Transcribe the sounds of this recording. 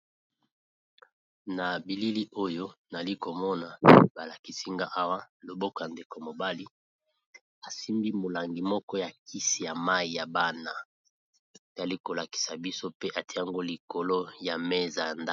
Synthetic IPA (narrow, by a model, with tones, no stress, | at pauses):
na˨bi˨li˦li˦ʔo˦jo˦na˨li˦ko˨mɔ˦na˨ba˨la˨ki˨si˦ŋɡa˦ʔa˦wa˦lo˨bo˦kɔ˨ja˨nde˨ko˨mo˨ba˦li˦ | a˨si˦mbi˦mo˨la˨ŋɡi˨mɔ˦kɔ˦ja˨ki˦si˨ja˨ma˦i˨ja˨ba˦na˨ | e˨za˨li˦ko˨la˨ki̥˨sa˨bi˦so˦pe˦ʔa˨ti˦e˦ja˦˨ŋɡo˦li˨ko˨lo˦ja˨me˦za˨nda˦